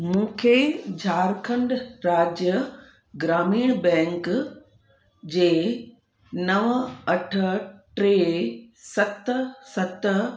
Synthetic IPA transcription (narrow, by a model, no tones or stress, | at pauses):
mũːkʰed͡ʑʱaːɾkʰə̃ɳɖɾaːd͡ʑjə | ɡɾaːmiːɽ̃bɛ̃ːŋk | d͡ʑeː | nɐʋɐʈʰə̆ʈɾeːsɐt̪sɐt̪